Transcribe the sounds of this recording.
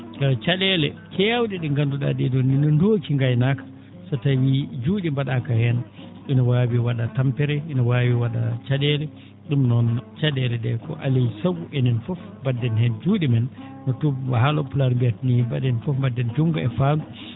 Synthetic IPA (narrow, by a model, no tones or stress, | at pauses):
kat͡ʃaɗɛlɛkʰɛjawɗɛɗɛŋɡanduɗa̰dɛdɔnːinɔndokiŋɡajnakḁ | sɔtawid͡ʒuːɗimbaɗakahɛn | inɔwawiwaɗatampɛɾɛinɔwawiwaɗa̰t͡ʃaɗɛlɛ | ɗumnɔnt͡ʃaɗɛlɛdɛkɔ̰ʔa̰lisaɡuʔɛnɛnfɔf | badːɛnhɛnd͡ʒuɗimɛnː | ɔtubhalɔpulaɾbiatniibadɛnfɔfmbadːɛnd͡ʒuŋɡɔɛfandu